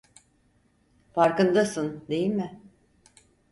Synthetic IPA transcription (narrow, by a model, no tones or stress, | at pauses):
faɾkɯnd̪asɯnd̪e̞jilʲmɪ